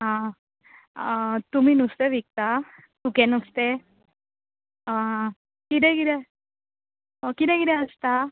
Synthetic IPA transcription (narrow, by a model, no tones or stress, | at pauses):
ɦã | t̪um̤iːnust̪eʋik̚t̪a | t̪ukɛ̃nust̪e | a | kit̪̬ɛ̃kit̪ɛ | kit̪ɛ̃kit̪ɛ̃əst̪a